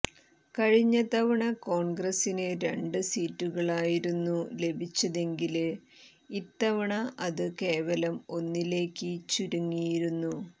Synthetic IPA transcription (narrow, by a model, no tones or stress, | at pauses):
kɐɻiɲːɐt̪ɐʋɐɳɐko̞ːɳɡrɐsinɨɾe̞ɳɖɨsiːtːuɣɐɭaːjiɾunːule̞bʱit͡ɕːɐðe̞ŋɡil | it̪ːɐʋɐɳɐʔɐðɨke̞ːʋɐlɐmo̞nːile̞ːkːɨt͡ɕuɾuŋːijiɾunːu